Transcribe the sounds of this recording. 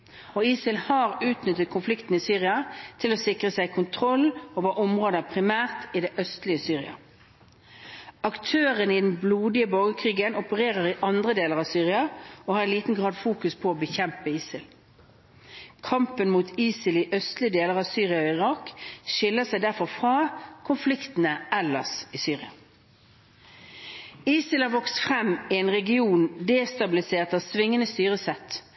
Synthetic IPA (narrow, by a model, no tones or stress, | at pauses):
oiːsɪlhɑːʁʉːt̪nʏt̪ːət̪̚kʰʊnflɪkt̪n̩isyːʁɪɑt̪ʰɪloːsɪkʁəsæɪkʰʊnt̪ʰʁɔlːoːʋɑːʔɔmʁoːd̪əpʰʁɪmæːʁt̪ɪd̪ɛʔœst̪lɪəsyːʁɪ̰ɑ̰ | ɑkt̪ʰøːʁənɪd̪ɛnbluːd̪ɪəbɔɡəkʰʁiːɡənɔpəʁeːʁəʁɪʔɑnd̪ʁəd̪eːləʁɑʋsyːʁɪɑoːhɑːɾɛnliːt̪n̩ɡʁɑːd̪fuːkʉspʰɔoːbəçɛmpəiːsɪl | kʰɑmpənmuːt̪ʰiːsɪlɪʔœst̪lɪəd̪eːləʁɑːʋsyːʁɪɑoɪʁɑːkʃɪlːəsæɪd̪æʁfɔʁfʁɑːkʰʊnflɪkt̪n̩əʔɛlɑsisyːʁɪɑ | iːsɪləʋɔkst̪fʁɛmːɪɛnʁɛɡɪuːnd̪eːst̪ɑbɪlɪseːʁt̪ɑʋsʋɪŋːənəst̪yːʁəsɛt̪